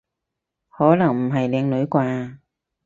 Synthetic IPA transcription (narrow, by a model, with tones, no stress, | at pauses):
hɔː˨˥lɐ˨˩ŋm̩˨˩ɦɐ˨jlɛː˨˧ŋlɵ˨˥jkʷwaː˧